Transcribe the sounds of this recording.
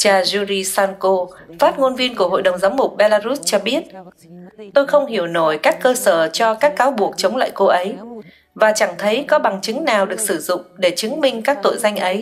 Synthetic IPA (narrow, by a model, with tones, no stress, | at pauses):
t͡ɕaː˧zu˧ɾi˧saː˧nko˧ | faː˦˥t̚ŋo˧nvi˧ənku˧˩əɦo̰˧˨jɗə˨˩wŋ͡mzaː˨˦wmʊ˨˩k͡p̚ɓe˧laː˧zu˦˥s̚t͡ɕɔ˧ɓi˦˥ət̚ | t̪o˧jxə˧wŋ͡mhi˧˩əwno˧˩jkaː˦˥kːəː˧səː˧˩t͡ɕɔ˧kaː˦˥kːaː˨˦wɓu˨˩ək̚t͡ɕə˨˦wŋ͡mla̰ː˧˨jko˧ʔə˨˦j | vaː˨˩t͡ɕa˧˩ŋt̪ʰə˨˦jkɔ˨˦ɓa˨˩ŋt͡ɕɨ˨˦ŋnaː˨˩wɗɨ˨˩ək̚sɨ˧˩zʊ̰˧˨ŋ͡mɗe˧˩t͡ɕɨ˨˦ŋmï˧ŋ̟kaː˦˥k̚t̪o̰˧˨jza˧jŋ̟ʔə˨˦j